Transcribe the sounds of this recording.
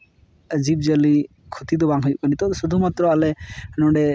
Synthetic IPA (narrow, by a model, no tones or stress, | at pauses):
d͡ʒib̚d͡ʒali | kʰut̪id̪ɔbaŋɦɔjkanit̪ɔsud̪ʱumat̪ɾɔalɛnɔɳɖɛ